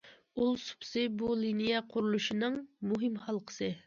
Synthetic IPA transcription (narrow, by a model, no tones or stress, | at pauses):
ulˠsu̥psɨbulinijɛqʰʊɾulˠuʃinɨŋmuɦɪmχɑlˠqʰə̥sɨ